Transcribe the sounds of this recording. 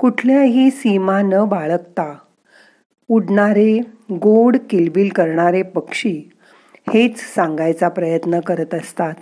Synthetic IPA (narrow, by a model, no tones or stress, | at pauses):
kuʈʰljaɦiːsimãnəbaɭəkt̪a | uɽɳaɾeɡoɽkilbiːlkəɾɳaɾepəkʂiː | het͡ssãŋɡajt͡sapɾəjət̪nəkəɾət̪əst̪at̪